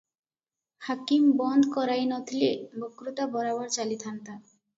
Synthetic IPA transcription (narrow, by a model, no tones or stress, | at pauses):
hakimbɔnd̪ʱkɔɾajnɔt̪ʰilebokːɾut̪abɔɾabɔɾt͡ɕalit̪ʰant̪a